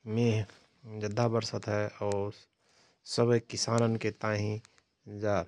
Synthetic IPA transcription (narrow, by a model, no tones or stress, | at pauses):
mẽ | d͡ʒəd̪ʱːabəɾsət̪ɦɛɔːɾ | səbəjkɪsaːnənket̪ãːɦĩ | d͡ʒaː